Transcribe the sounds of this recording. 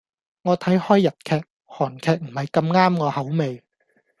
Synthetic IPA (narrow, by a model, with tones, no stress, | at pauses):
ŋɔː˨˧t̪ʰɐ˨˥jhɔː˥jːɐ˨t̚kʰɛː˧k̚ | hɔː˨˩nkʰɛː˨˧k̚m̩˨˩hɐ˨jkɐ˧mŋaː˥mŋɔː˨˧hɐ˨˥wme˨˧j